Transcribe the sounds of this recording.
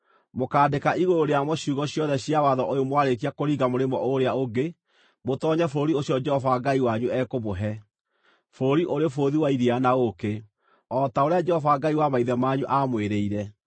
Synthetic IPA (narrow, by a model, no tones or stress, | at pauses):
mokaːdekaʔiɣooɾeamɔɕuːɣɔɕjɔðɛɕiawaðɔʔojomwaɾekiakoɾiɡamoɾemɔʔoɾeaoɡe | motɔɲɛfoɾioɕjɔd͡ʒɛhɔvaɡaiwaɲuɛkoβoɦɛ | foɾiʔoɾefoðiwaiɾianaoke | ɔtaoɾead͡ʒɛhɔvaɡaiwamaiðɛmaːɲuʔamweɾeiɾɛ